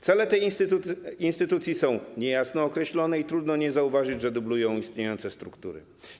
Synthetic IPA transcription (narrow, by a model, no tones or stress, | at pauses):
t̪sɛlɛt̪ɛj | inst̪ɘt̪ut̪sʲjisɔ̃w̃ɲɛjasnɔːkɾɛɕlɔnɛit̪ɾud̪nɔɲɛzauvaʐɘd͡ʑʐɛd̪ublujɔ̃w̃ist̪ɲejɔnt̪sɛst̪ɾukt̪ṵɾɘ̰